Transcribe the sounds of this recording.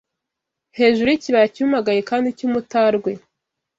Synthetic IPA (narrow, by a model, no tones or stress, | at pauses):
he̞ːʒuɾuiciβajacumaɡajekaːndicumutaɾɡwe̞